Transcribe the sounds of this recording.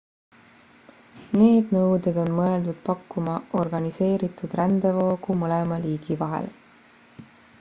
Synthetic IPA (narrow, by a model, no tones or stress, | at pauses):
ne̞ːd̪̥nɤwd̪ed̪̥o̞nmɤeld̪ud̪̥̚pɑkːumɑʔo̞rɡ̥ɑnise̞ːɾit̪ːˑud̪̥rænd̪̥e̞vo̞ːɡ̥umɤlemɑliːɡ̥ivɑɦḛl